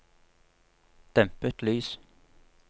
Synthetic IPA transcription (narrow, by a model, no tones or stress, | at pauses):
d̪̥ɛmpət̪lyːs